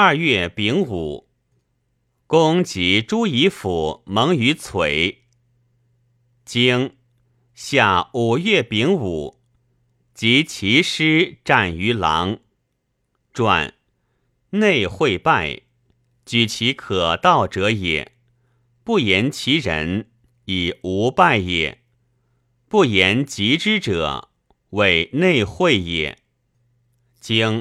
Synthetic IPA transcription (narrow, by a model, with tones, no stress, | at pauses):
ɐ˞˥˧ɥɛ˥˩pi˧˥ŋu˨˩˦ | kʊ˥ŋt͡ɕi˧˥ʈ͡ʂu˥i˧˥fu˨˩mɤ˧˥ŋy˧˥t͡sʰwe˨˩˦ɪ | t͡ɕi˥ŋ | ɕja˥˩u˨˩ɥɛ˥˩pi˧˥ŋu˨˩ | t͡ɕi˧˥t͡ɕʰi˧˥ʂɻ̩˥ʈ͡ʂa˥˩ny˧˥lɑ̰˧˥ŋ | ʈ͡ʂwa̰˨˩˦n | ne˥˧ɪxwe˥˧ɪpa˥˩ɪ | t͡ɕy˨˩t͡ɕʰi˧˥kʰɤ˨˩t̪ɑ˥˩ʊʈ͡ʂɤ˧˥jɛ̰˨˩˦ | pu˥˩jɛ˧˥nt͡ɕʰi˧˥ɻə̰˧˥n | i˨˩u˧˥pa˥˩ɪjɛ̰˨˩˦ | pu˥˩jɛ˧˥nt͡ɕi˧˥ʈ͡ʂɻ̩˥ʈ͡ʂɤ̰˨˩˦ | we˨˩ɪne˥˧ɪxwe˥˩ɪjɛ̰˨˩ | t͡ɕi˥ŋ